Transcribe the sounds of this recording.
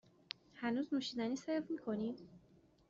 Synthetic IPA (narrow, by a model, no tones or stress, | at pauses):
hanuznuʃid̪anisajɔfmikʰɔnid̪